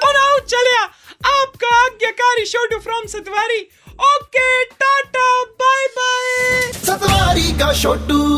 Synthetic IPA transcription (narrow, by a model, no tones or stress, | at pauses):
ʊnaut͡ʃɐljaːaːpkaɐɡjakaːɾiʃoːʈufɾɔmsɐt̪ʋaːɾi | oːkeʈaːʈabaːjbaːjsɐt̪ʋaːɾikaʃoːʈu